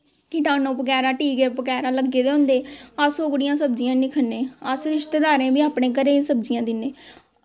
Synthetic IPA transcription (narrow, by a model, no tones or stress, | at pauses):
kɪʈãːnõːpəkɛːɾãːʈiːɡeːpəkɛːɾãːləɡːeːd̪eːɦõnd̪eːasoːɡɽɪjãːsəb̚d͡ʒɪjãːnĩːkʰənːẽːəsɾɪʃt̪eːd̪aːɾẽːbiːaːpɳẽːkəɾeːsəbd͡ʒɪjãːd̪ɪnːẽː